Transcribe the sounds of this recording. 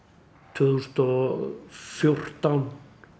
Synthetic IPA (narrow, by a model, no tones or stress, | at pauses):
t̪ʰʏðst̪ɔ | fjʊr̥t̪an